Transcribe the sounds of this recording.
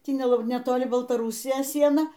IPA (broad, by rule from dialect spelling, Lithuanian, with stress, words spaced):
ˈtʲiː nʲɛ nʲɛtoːˈlʲɪ bɐlˠtɐˈruːsʲɪjoːs ˈsʲiɛnɐ